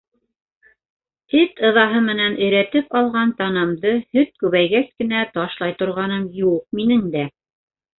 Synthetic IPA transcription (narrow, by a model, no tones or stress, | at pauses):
ɘt̪ɤ̆ðɑɦɤmɘ̆nænʔɘ̆jɾæt̪ɘpɑlˠʁɑnt̪ɑnɤmd̪ɤhɵt̪̚kʉβæjɣæskɘ̆næt̪ɑʃlˠɑjt̪ŏɾʁɑnɤmjuq̚minɘŋd̪æ